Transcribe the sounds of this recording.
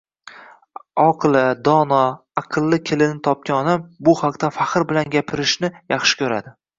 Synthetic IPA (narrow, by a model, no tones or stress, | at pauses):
ɒqʰɨlˠɪd̪ɒnɒ | ɑqʰɨlˠːɪkʲʰɪlɪnɪt̪ʰɒp̚kʲanɒd̪ambʊhaqt̪ʰafahɨɾbɪlanɡʲapʰɪɾɪʃnɪjɑχʃɪ̥kʲʰɵɾa̰d̪ɪ